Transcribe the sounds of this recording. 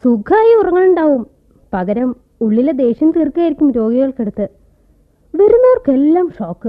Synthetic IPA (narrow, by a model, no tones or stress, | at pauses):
suɡʰʱaːjiurɐŋːɐɭuɳɖaːʋum | pɐɣɐɾɐm | uɭːiled̪e̞ːɕjɐmt̪irkaːjiɾikʲːumɾo̞ːɡiɣɐɭkeɽut̪ːɨ | ʋɐɾunːɐorkelːaːmʂo̞ːkːɨ